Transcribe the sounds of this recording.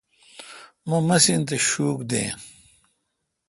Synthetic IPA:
momɐsint̪eɕuːkd̪ḛ̃ː

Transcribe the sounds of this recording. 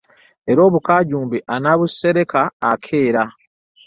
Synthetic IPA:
e̞ɾo̞ːβukaːɟuːmbiʔanaβusːe̞ɾe̞kaːkʰe̞ːɾa

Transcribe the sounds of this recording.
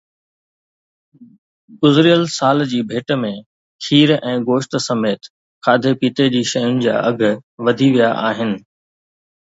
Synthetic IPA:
ɡʊzɾijəlsaːld͡ʑiːbʱeːʈmẽ | kʰiːɾɛ̃ːɡoːʃʈ̪sɐmeːt̪ | kʰaːd̪ʱepiːt̪ed͡ʑiːʃɐjʊnɪ̆d͡ʑa̰ːʔɐɡʱʋɐd̪ʱiʋijaʔaːɦɪnɪ̆

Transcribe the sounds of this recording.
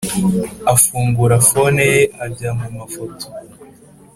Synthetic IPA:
afuːŋɡuɾafonejeabjamumafotʰo̥

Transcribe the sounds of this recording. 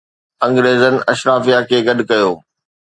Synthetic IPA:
ɐ̃ŋɡɾeːzənɪ̆ɐʃɾaːfijakʰeːɡɐɗkɐjoː

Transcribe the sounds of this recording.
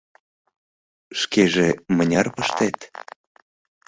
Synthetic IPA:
ʃkeʒemənʲɑrpəʃt̪et̪

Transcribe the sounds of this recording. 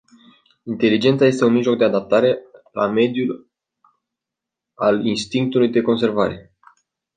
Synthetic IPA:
int̪e̞lid͡ʒe̞nt̪saje̞s̬t̪e̞unmiʒlo̞k̚d̪e̞ad̪ap̚t̪aɾe̞la̰me̞d̪jul | alinst̪iŋk̚t̪ulujd̪e̞ko̞nse̞rvaɾe̞̰

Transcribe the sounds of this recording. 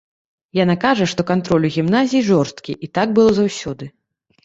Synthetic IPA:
janakaʐɐʂt̪ɔkant̪ɾɔlʲuɣʲimnazʲijiʐɔrst̪kʲiʔit̪aɡ̚bɨlˠɔzawsʲɔd̪ɨ

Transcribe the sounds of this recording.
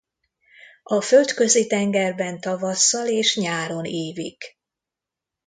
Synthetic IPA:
ʔɒfø̞lt̪kø̞zit̪ɛŋɡɛrbɛnt̪ɒvɒsːɒleːʃɲaːɾo̞neːvik

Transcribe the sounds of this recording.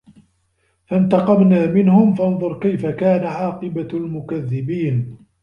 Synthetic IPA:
fant̪ɑqɑbnaːmɪnhʊmfɑnðˤʊɾˤkajfakaːnaʕɑːqɨbalmʊkaðːɪbiːn

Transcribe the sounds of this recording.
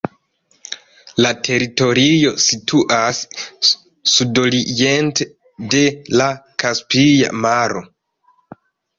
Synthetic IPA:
latʰe̞ɾito̞ɾijo̞sitʰuʔasː | udo̞lijente | de̞lakaspija̰maɾo

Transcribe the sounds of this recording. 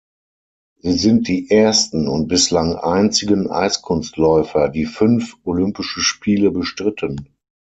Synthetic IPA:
ziːzɪnt̚d̥iːʔeɐstn̩ʊnt̚b̥ɪslaŋʔa̰ɪnt͡sɪɡənʔa̰ɪskʰʊnstlɔʏfɐdiːfʏnfʔolʏmpɪʃəʃpʰiːləbəʃtʁ̥ɪtʰən

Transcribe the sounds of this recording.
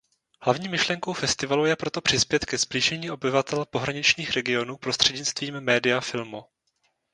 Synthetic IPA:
hlavɲiːmɪʃlɛŋkowfɛst̪ɪvalujɛpɾo̞t̪o̞pr̝̥ɪspjɛt̪kɛzbliːʒɛɲiːʔo̞bɪvat̪ɛlpo̞ɦɾaɲɪt͡ʃɲiːxɾɛɡɪo̞nuːpɾo̞st̪r̝̥ɛdɲɪt͡st̪viːmːɛːdɪjafɪlmu

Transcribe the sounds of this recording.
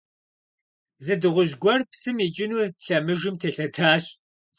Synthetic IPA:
zɨdɨʁʷʊʒɡʷɔrpsɨmiːt͡ʃʼɪnuɬɐmɨʒɨmtʰeɬɐtʰaːɕ

